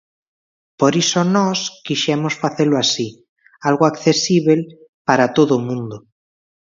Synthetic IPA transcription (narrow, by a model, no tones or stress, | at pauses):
poɾisonɔskiʃɛmosfaθelʊasi | alɣoakθesiβel | paɾat̪oðomũnd̪o